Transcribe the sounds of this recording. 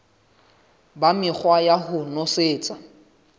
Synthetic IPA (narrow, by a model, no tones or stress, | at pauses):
bamɪk͡xwajaɦʊnʊseːt͡sʼa